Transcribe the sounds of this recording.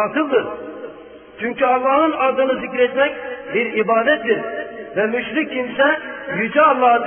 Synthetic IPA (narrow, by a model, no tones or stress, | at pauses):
ɑk̪ʰɯlˠd̪ɯɾ | t͡ʃʰyɲcʰyɑlˠːɑhnɯnɑd̪ɯnɯzicɾɛt̪mɛc̚ʲbiɾibɑːd̪ɛt̪̚d̪iɾvɛmyʃɾikʲʰːimsɛjyd͡ʒɛːlˠːɑː